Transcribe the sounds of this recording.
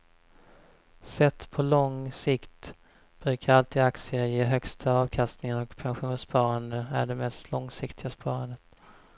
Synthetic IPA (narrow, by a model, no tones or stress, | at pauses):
sɛt̪ːpʰɔlɔŋsɪkt̪ | b̥ɾʉ̟ːkʰaɾalt̪ʰiːd̪aksɪəjeːɦœkst̪ʰaɑːvkʰast̪nɪŋaɾɔkpʰanɧuːnspʰɑːɾand̪əæ̰ɖɛmɛst̪ʰlɔŋsɪkt̪ʰɪɡaspʰɑːɾand̪ət̪